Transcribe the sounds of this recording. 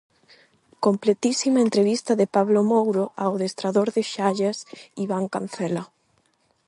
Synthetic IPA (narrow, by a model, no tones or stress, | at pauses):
komplet̪isimaent̪ɾeβist̪ɐðɪpaβlomowɾoʔaowðest̪ɾaðoɾðɪʃaʎasiβaŋka̰n̟θɛla